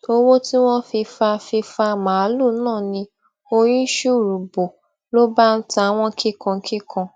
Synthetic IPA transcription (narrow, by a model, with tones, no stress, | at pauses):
o˦wo˦ti˦w̃ɔ̃˦fi˧fa˧fi˧fa˧mã˨˦lu˦˨˦nãː˦˨nĩ˧ | o˧j̃ĩ˦ʃu˦˨ɾu˨bo˨ | lo˦ba˦n̩˦ta˧˦w̃ɔ̃˦kʰi˦kã˧˦kʰi˦kʰã˧